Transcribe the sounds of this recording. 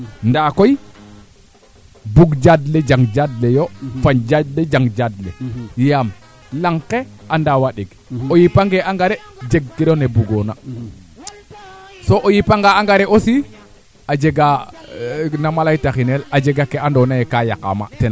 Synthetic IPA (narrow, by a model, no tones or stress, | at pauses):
ndakoj | buɡd͡ʒadled͡ʒaŋɡd͡ʒadlejofaɲd͡ʒadled͡ʒaŋɡd͡ʒadlḛjam | laŋkeandawaɗiɡ | ojipaŋɡeʔaŋɡaɾed͡ʒeɡ̚kiɾonebuɡona | soʔojipaŋɡaaŋɡaɾeʔosi | ad͡ʒeɡa | namalajtaxinelad͡ʒeɡakeandonajekajaka̰ma̰tena